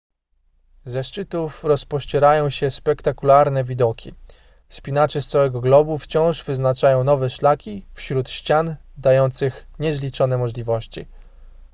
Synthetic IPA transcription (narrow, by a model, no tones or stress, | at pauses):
zɛʂt͡ʂɘt̪ufɾɔspɔɕt͡ɕɛɾajɔ̃w̃ɕɛspɛkt̪akulaɾnɛvʲid̪ɔkʲi | spʲinat͡ʂɛst̪sawɛɡɔɡlɔbuft͡ɕɔ̃w̃ʐvɘznat͡ʂajɔ̃w̃nɔvɛʂlakʲifɕɾut̪ɕt͡ɕand̪ajɔnt̪sɘxɲɛzlʲit͡ʂɔnɛmɔʐlʲivɔɕt͡ɕḭ